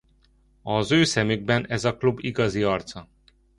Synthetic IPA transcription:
ɒzøːsɛmyɡ̚bɛnɛzɒklubiɡɒziɒrt̪sɒ

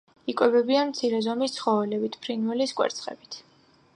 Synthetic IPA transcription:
ikʼwɛbɛbianmt̪sʰiɾɛzɔmist̪sʰχɔvɛlɛbit̪ʰpʰɾinvɛliskʼwɛ̰ɾt̪sʰχɛ̰bit̪ʰ

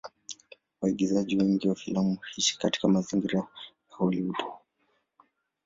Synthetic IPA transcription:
waiɠizaʄiwɛŋɡiwafilamuhiʃi̥kati̥kamaziŋɡiɾajauliuɗʰɔ̥

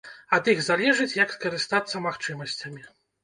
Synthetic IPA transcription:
ɐd̪iɣzalʲɛʐɨt͡sʲjɐkskɐɾɨst̪at̪sːɐmaxt͡ʂɨmɐsʲt͡sʲɐmʲi

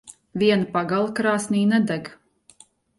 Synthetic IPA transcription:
vʲiɛnpaɡalˠkɾaːsniːnɛd̪ɛɡ

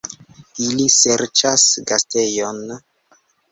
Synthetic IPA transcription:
ilise̞ɾt͡ʃasɡaste̞jon

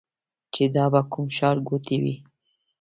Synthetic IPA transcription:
t͡ʃed̪ɑbakumʃɑɾɡot̪iwḭ

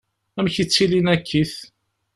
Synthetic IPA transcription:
æmçit͡sːilinækʰːiθ

